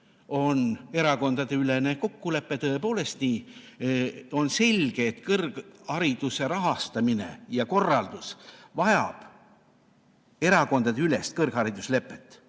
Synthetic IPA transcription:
o̞ne̞ɾɑko̞nd̪ɑd̪̥e̞yle̞ne̞ko̞kːule̞pːe̞t̪ɤ̞e̞po̞ːle̞st̪niː | o̞nse̞lʲɡ̥eːt̪kɤrɡ̥hɑɾid̪̥use̞ɾɑɦɑst̪ɑmine̞̰jɑko̞rːɑld̪̥usvɑjɑ̰b̥ | e̞ɾɑko̞nd̪̥ɑd̪̥eylest̪̚kɤrɡ̥ɑɾid̪̥usle̞pːˑe̞t̪ːˑ

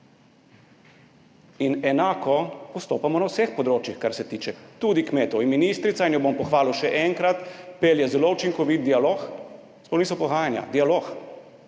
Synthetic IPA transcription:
inɛnakɔpɔst̪oːpamɔnawsɛxpɔd̪ɾoːt͡ʃjixkaɾsɛt̪iːt͡ʃɛt̪ud̪ikmeːt̪ɔinminist̪ɾit̪sainjɔbompɔxʋaːlɔʃɛʔɛŋkɾat̪peljɛzɛlout͡ʃiŋkɔʋit̪̚d̪ialoːx | spɔwnisɔpɔɣaːjanja̰d̪ialoːx

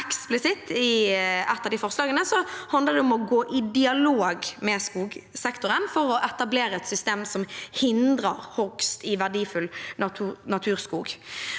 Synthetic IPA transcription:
ɛksplɪsɪt̪ʰɪɛt̪ːɑd̪ɪfɔʁslɑːɡənəsɔhɑnd̪əʁd̪ɛɔmɔɡoːʔɪd̪ɪɑloːɡmɛskuːɡsɛkt̪ʊʁənfɔʁɔʔɛt̪ɑbleːɾəɛt̪sʏst̪eːmsɔmhɪnd̪ɾɑɾhɔkst̪ɪʋæʁdiːfʉlnɑt̪ʰːnɑt̪ʰʉːʁskuːɡ

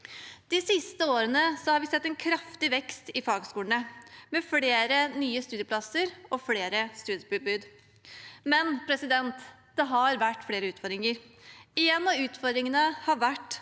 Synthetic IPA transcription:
d̪̥ɪsɪst̪əoːɾənəsɔhɑɾʋɪsɛt̪ːɛnkʰɾɑft̪ɪʋɛkst̪ɪfɑːɡskuːləɳəmɛfleːɾənyːəst̪ʉːd̪ɪjəpʰlɑsəɾɔfleːɾəst̪ʉːd̪jəbɪbʉːd̪ | mɛnpʰɾɛsɪd̪ɛnt̪ | d̪̥ɛɦɑɾʋæʈːfleːɾəʉːt̪fɔɾd̪ɾɪŋəɾ | ɪjɛnːɑʉːt̪fɔd̪ɾɪŋənəhɑʋæʈː

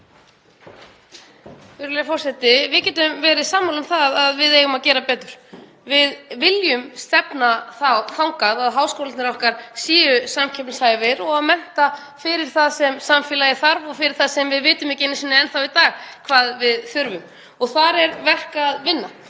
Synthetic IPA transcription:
fɪɾʏlɛjʏfɔr̥sɛt̪ɪvɪðcɛːt̪ʏmvɛːɾɪsaːmːawlʏmθaðaðvɪðejɣʏmaðcɛːɾapɛːt̪ʏɾ̥ | vɪðvɪljʏmst̪ɛpnaθawθawŋkaðaðɦaːwskowlat̪nɪɾɔhkaɾ̥siːʏsamcʰɛpnsaːjvɪɾɔɣaðmɛn̥t̪a | fɪɾɪɾ̥θaðsɛmsamfɪlajɪθaɾvɔɣfɪɾɪɾ̥θaðsɛmvɪðvɪːt̪ʏmɪcɪɪnɪsɪnːɪɛnθawit̪aːɣkʰvaːðvɪðθʏɾvʏm | ɔɣθaɾɛɾvɛr̥kaðvɪnːa

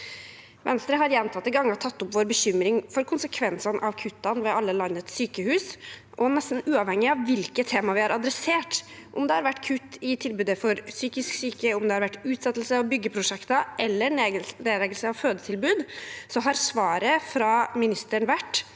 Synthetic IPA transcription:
ʋɛnst̪ɾəɦɑɾjɛnt̪ʰɑt̪ːəɡɑŋːɑt̪ʰɑt̪ːʊpʋoːɾbəɕʏmɾɪŋfɔɾkʰʊnsəkʰʋɛnsɑnʔɑʋkʰʉt̪ːɑnʋɛɑlːəlɑnːət̪syːkəhʉːsʔɔnɛst̪n̩ʉːɑʋhɛŋːɪɑʋʋɪlkət̪ʰeːmɑʋɪhɑɾʔɑd̪ɾɛseːʈʔʊ̰md̪ɛhɑɾʋæʈːkʰʉt̪ːɪt̪ʰɪlbʉːd̪əfɔɾsyːkɪsksyːkəʊmd̪ɛhɑɾʋæʈːʉːt̪sɛt̪ːl̩səɔʋbʏɡːəpʰɾʊʂɛkt̪ɑʔɛlːəneːɾɛɡəlsəɑʋføːd̪ət̪ʰɪlbʉːd̪sɔɦɑɾsʋɑːɾəfɾɑmɪnɪst̪əɳʋæʈː

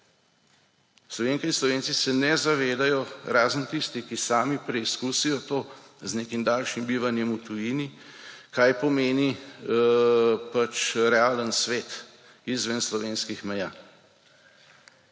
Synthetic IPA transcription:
slɔʋeːnkainslɔʋeːnsisɛnɛzaʋeːd̪ajɔɾaːzənt̪ist̪ikisaːmipɾɛiskusijɔt̪oː | zneːkimd̪aːlʃimbiːʋanjɛmut̪ujiːnikaːjpɔmeːni | pat͡ʃɾɛaːlənsʋeːt̪ | izʋənslɔʋeːnskixmɛjaː

